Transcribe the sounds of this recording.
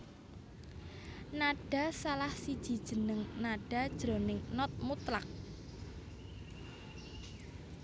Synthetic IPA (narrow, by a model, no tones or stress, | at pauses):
naɖ̥a̤salahsid̥ʒ̥i̤d̥ʒ̥ə̤nəŋnaɖ̥a̤d̥ʒ̥ɾo̤nɪŋnɔt̪̚mut̪lak̚